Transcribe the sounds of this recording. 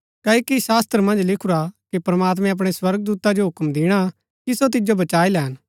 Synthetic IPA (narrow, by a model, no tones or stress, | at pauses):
kɐːokiʃaːst̪ɾəmɐ̃nd͡ʒlɪkʰʊɾakipɾɐmaːt̪̬mɛ̃ɐp̬ɽ̃eswɐɾɡd̪uːt̪ad͡ʒoɦʊkmd̪ɪɽ̃a | kisot̪̬ɪd͡ʒobɐt͡ʃaːilɛɦɐn